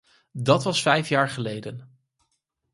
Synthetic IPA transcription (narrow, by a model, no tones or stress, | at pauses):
dɑtʋɑsfɛjfjaːɹχəlejdən